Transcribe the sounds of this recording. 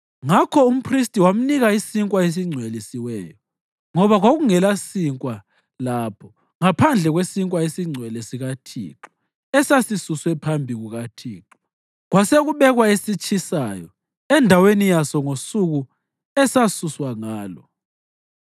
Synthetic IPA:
ŋakʰɔum̩pʰristʼiwam̩niɣaisiŋkʼwaes̬iŋ͡ǀʱwelisiwɛːjɔ | ŋɔβaɣwoɣuŋɛlasiŋkʼwa | lapʰɔ | ŋapʰand͡ɮʱɛɣwesiŋkʼwaesiŋ͡ǀʱwɛlɛsiɣatʰḭǁɔ̥ | ɛsasisuswɛpʰambʱiɣuɣatʰḭːǁɔ | ɣwaseɣuβɛɣwaesit͡ʃʰʼisajɔ̰ | ɛndʱawenijasɔŋosuɣu | ɛsasuswaŋaːlɔ̰

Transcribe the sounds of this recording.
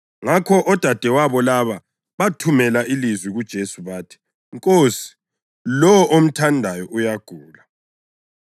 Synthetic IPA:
ŋakʰɔʔɔd̥ʱad̥ʱɛwaβɔlaβa | βatʰumɛlaʔilizwiɣud̥ʒ̥ʱesuβaːtʰi̥ | ŋkʼoːsi̥ | lɔwɔʔom̩tʰandʱajɔʔujaɡ̥ʱuːla

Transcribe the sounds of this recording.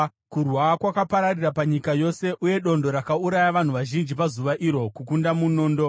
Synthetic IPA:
kurwakwakapaɾarirapaɲikajo̞se̞ʔuje̞ɗo̞ndo̞ɾakauɾajaʋan̤uʋaʒind͡ʒipazuʋaʔiɾo̞kukundamuno̞ːndo̞

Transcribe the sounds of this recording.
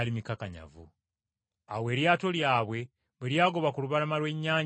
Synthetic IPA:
limikakaɲa̰vṵ | awe̞ːɾjaːto̞ljaːβwe̞ | βweɾjaːɡo̞βakuluβaɾamalwe̞ɲːaː

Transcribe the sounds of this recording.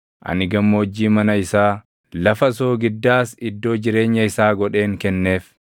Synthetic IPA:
ʔɐ̰nɪɡɐmːoːd͡ʒːiːmɐnɐɪsaː | lɐfɐs̬o̞ːɡɪd̪ːaːsɪd̪ːo̞ːd͡ʒɪɾe̞ːɲːɐɪsaːɡɔᶑe̞ːŋkɛnːe̞ːf

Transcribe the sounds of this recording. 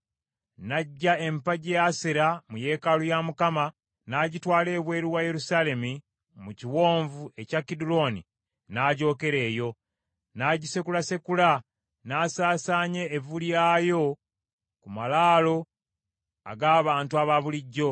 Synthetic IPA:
naɟːae̞mpaɟeaseɾamuje̞ːkalujamukama | naɟitwaːle̞ːβwe̞ːɾiwaje̞ɾusaːle̞mi | muciwo̞ːɱvue̞cakːidulo̞ni | naːɟo̞ːke̞ɾe̞ːjo̞ | naːɟise̞kulase̞kula | naːsaːsaːɲe̞ːvuljaːjo̞ | kumalaːlo̞ | a̰ɡaːβaːntuaβaβuliɟːo̞

